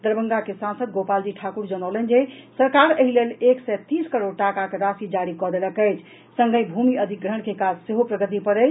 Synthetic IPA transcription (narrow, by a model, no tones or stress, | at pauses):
d̪əɾbəŋɡakesãnsəd̪̚ɡopald͡ʒiʈʰakuɾd͡ʒənəwlənd͡ʒesəɾkaɾəɦileleksɛt̪iskəɾoɾʈakakeɾasid͡ʒaɾikɔd̪eləkəjt͡ʃʰ | sə̃ŋɡəjbʱumiəd̪ʱik̚ɡɾəɳ̃kekad͡ʒseɦopɾəɡət̪ipəɾə